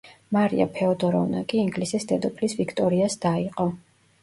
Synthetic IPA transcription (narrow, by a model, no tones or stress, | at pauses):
maɾḭa̰pʰɛɔd̪ɔɾɔ̰vna̰kʼiːŋɡlisisd̪ɛd̪ɔpʰlisvikʰt̪ʼɔɾiasd̪̥aiqʼɔ